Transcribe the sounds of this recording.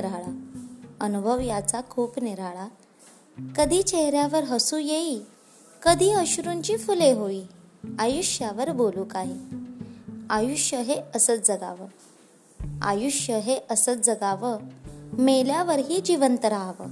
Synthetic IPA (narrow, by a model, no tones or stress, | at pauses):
ɾaɭaənubʱəʋjat͡sakʰuːpniɾaɭa | kəd̪ʱiːt͡ɕeɦɾjaʋəɾɦəsuːjei | kəd̪ʱiːəɕuɾuɲt͡ɕiːfuleɦoiːajuɕjaʋəɾboluːkaɦe | ajuɕjəɦeəsət͡sd͡zəɡa̰ʋə | a̰juɕjəɦeʔəsət͡sd͡zəɡaʋəmeljaʋəɾɦiːd͡ʑiʋənt̪əɾaʋə̰